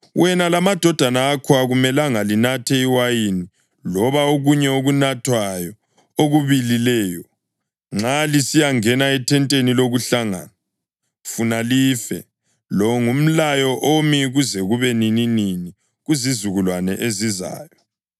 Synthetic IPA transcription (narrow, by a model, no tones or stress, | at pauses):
wʔɛnalamad̥ʱɔd̥ʱanaːkʰɔaɣumɛlaŋalinatʰɛiwajini | lɔβaoɣuɲɛoɣunatʰwajɔ | oɣuβililɛːjɔ | ŋ͡ǁalisijaŋɛnaɛtʰɛntʼeniloɣuɬaŋa̰a | funalifɛ̰ | lɔŋum̩lajɔʔomiɣuzɛɣuβɛnininini | ɣuzizuɣulwanɛʔeziza̰ːjɔ